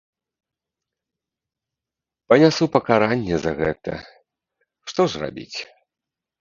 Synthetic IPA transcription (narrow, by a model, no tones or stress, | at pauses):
pɐnʲasupɐkaɾanʲːɛzɐɣɛt̪ɐ̰ | ʂt̪ɔʐra̰bʲḭt͡sʲ